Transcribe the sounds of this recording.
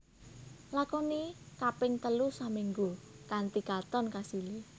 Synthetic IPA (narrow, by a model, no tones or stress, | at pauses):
lakɔnikapɪŋt̪əlusamiŋɡukant̪ikat̪ɔnkasili